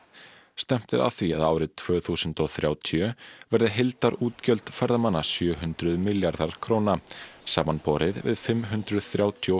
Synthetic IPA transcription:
st̪ɛm̥t̪ɪɾa̰θvia̰ðaːwɾɪðt̪ʰvœːθuːsʏnt̪ɔɣθɾjaːwt̪ʰjʏvɛɾðɪɦelt̪aɾuːt̪cœlt̪fɛɾðamanːasjœːɦʏnt̪ɾʏðmɪljaɾðaɾ̥kʰɾoːwnasaːmanpɔɾɪðvɪ̰ðfɪmːɦʉnt̪ɾʏðθɾjaːwt̪ʰjo

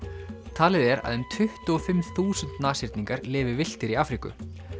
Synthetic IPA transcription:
t̪ʰaːlɪðɛɾa̰ðʏmt̪ʰʏht̪ʏɔfɪmθuːsʏnt̪naːsɪɾ̥t̪niŋkaɾlɪːvɪvɪl̥t̪ɪɾiaːfɾikʏ̰

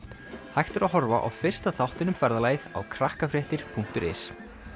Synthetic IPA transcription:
hajht̪ɪɾaɦɔɾva̰ʔa̰wfɪr̥st̪aθawht̪ɪnʏmfɛɾðalaːjða̰wkʰɾahkafɾjɛht̪ɪɾ̥pʰuŋ̥t̪ʏɾɪ̰s

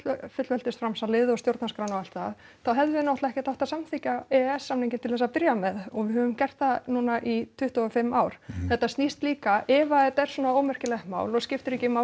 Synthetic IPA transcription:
fʏt̪lvɛlt̪ɪst̪fɾamsalɪðʏɔst̪jowɾt̪naskɾawnawal̥t̪a | θawɦɛvðʏnawht̪laɛhkcɪt̪awht̪asamθicaɛɛsːamniɲcɪnt̪ɪlθɛsapɪɾjamɛðɔɣvɪhœvʏmcɛr̥t̪θanuːnaʔit̪ʰʏht̪uɔfɪmːaːwɾ̥θɛht̪ːasnist̪liːkaɛvaɛt̪ɛɾ̥swɔːnaoːwmɛr̥cɪlɛhma̰ːwlɔɣscɪft̪ʏɾiːcɪma

